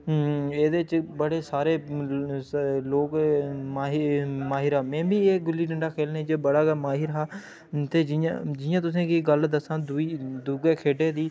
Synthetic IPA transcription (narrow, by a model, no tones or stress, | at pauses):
eːd̪eːt͡ʃbəɽeːsaːɾeː | loːkːmaːɦmaːɦɪɾɦaːmɛ̃ːbiːeːɡʊliːɖəɳɖaːkʰeːlnẽːd͡ʒeːbəɽaːɡəmaːɦɪɾɦaː | t̪eːd͡ʒɪjã̰d͡ʒɪjãːt̪ʊsẽːkɪɡəld̪əsãːd̪ʊiːd̪uɡeːkʰeːɖeːd̪iː